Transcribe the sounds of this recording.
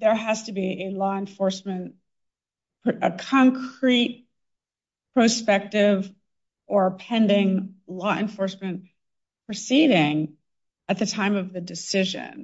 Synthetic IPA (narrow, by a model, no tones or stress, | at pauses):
ðə˞ɦɨz̥tɨbiʔɨlɔɨ̃ɱfɔɹsmɨ̃n | pʰɨkʰɑ̃ŋkʰɹ̥it̚ | pʰɹ̥ospɛk̚tɪv | ʔə˞əpʰɛ̃ndɪ̃ŋlɔʔɨ̰̃ɱfɔɹsmɨ̃n | pʰɹ̥ɨsiɾɪ̃ŋ | ɨt̪̚ðɨtʰãɪ̃mʌvðɨdɨsɪʒɨ̰̃n